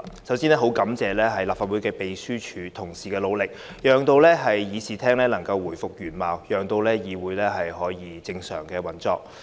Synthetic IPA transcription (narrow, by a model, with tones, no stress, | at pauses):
sɐ˨˥wsiː˥nɛː˥ɦo˨˥wkɐ˨˥mt͡sɛː˨lɛː˥ɦɐ˨jlaː˨˩pfaː˧t̚wuː˨˥jkɛː˧pe˨jsyː˥t͡ʃʰyː˨˧t̪ʰʊ˨˩ŋsiː˨kɛː˧lo˨˧wlɪ˨k̚ | jœː˨ŋt̪o˧wlɛː˥ɦɐ˨jːiː˨˧siː˨˩t̪ʰɛː˥ŋlɛː˥lɐ˨˩ŋkɐ˧wːuː˨˩jfʊ˨k̚jyː˨˩nmaː˨wjœː˨˩ŋt̪o˧wlɛː˥jiː˨˧wuː˨˥jlɛː˥ɦɐ˨jɦɔː˨˥jiː˨˧t͡sɪ˧ŋsœ̰ː˨˩ŋkɛː˧wɐ˨nt͡sɔ̰ː˨˧k̚